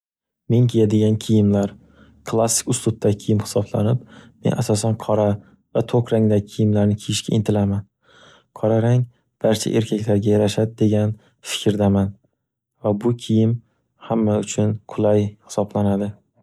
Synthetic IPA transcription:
me̞ŋkʲʰejad̪ɪɡʲankʲʰɪjɪmlaɾ | kʰlˠasːɪ̥kʲʊst̪ʊt̪̚ʰːakʲʰɪjɪmhɪ̥sɒbla̰nɪp̚me̞̰nʔasɒsanqʰɒɾa | vat̪ʰokɾaŋd̪akʲʰɪjɪmlaɾnɪkʲʰijɪʃkʲa̰ɪnt̪ʰɪlaman | qʰɒɾaɾaŋ | b̥aɾt͡ʃʰa̰ʔe̞ɾkʰʲakʲlaɾɡʲajaɾaʃad̪ɪd̪e̞ɡʲan | fɪ̥kʲʰɾd̪aman | vabʊkʲʰɪjɪm | hamːaʊt͡ʃʰʊnqʰʊlˠajhɪ̥sɒblanad̪ɪ

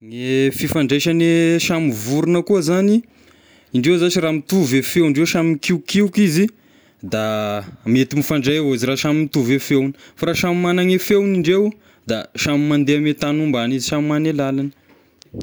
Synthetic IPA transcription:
ŋefifaɳɖ͡ʐajʃaneʃamivuɾunəkuəzani | iɳɖ͡ʐewzat͡ʃiɾaːmit̪uvefewɳɖ͡ʐewʃamikiwkiukizi | d̪amet̪imifaɳɖ͡ʐajeaziɾaʃamimit̪uvefewni̥faɾaʃamimanaŋefewniɳɖ͡ʐew | d̪aʃamimand̪eamet̪anumbaniziʃamimanelalanə̥

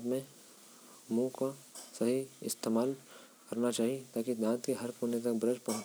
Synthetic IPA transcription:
d̪mẽ | mũkasɐɦiɪst̪eːmaːl | kɐɾnat͡ʃaːɦiet̪aːkid̪ãːt̪keɦɐɾkoːnet̪ɐk̚bɾəd͡ʒpɐɦt͡ʃ

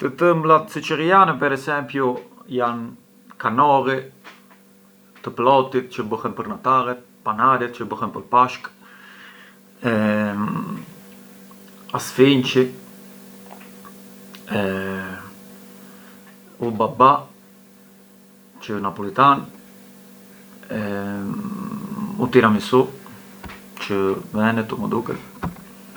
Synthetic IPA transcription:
t̪ət̪əmblat̪sit͡ʃəɾijanɛpɛɾɛsɛmpjujan | kanɔɾi | t̪əplɔt̪it̪̚t͡ʃəbəhɛnpəɾnat̪alɛt̪̚panaɾɛt̪̚t͡ʃəbəhɛnpəɾpaʃk | ɛ | asfint͡ʃi | ɛ | ubaba | t͡ʃənapɔlit̪an | ɛ | ut̪iɾamisu | t͡ʃəvɛnɛt̪uməd̪ukə̰l

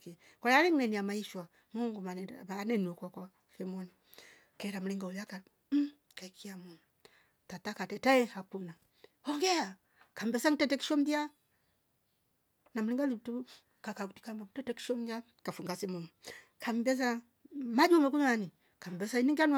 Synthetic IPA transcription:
kɛ | kalalɛŋnɛniamaiʃwa | muŋɡumanɛanɛniɔkwakwa | fɛmɔni | kɛɾam̩uliŋɡaujaka | m̩ | kaikʰiamɔnu | tatakatɛtaɛhakuna | ɔŋɡɛa | kam̩bɛsaŋ̩tɛtɛki̥ʃɔmdia | nam̩uliŋɡalitu | kakakuti̥kambautɛtɛki̥ʃɔm̩da | kafuŋɡasɛmuŋukamibɛs̬a | mad͡ʒumak̬uɲmani | kam̩bɛsainiŋɡanw

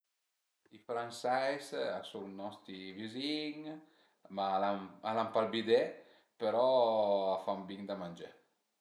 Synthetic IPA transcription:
ifɾansɛjsasulnɔst̪iviziŋ | malamalampalbid̪e | peɾɔafambiŋd̪amanʲd͡ʒe

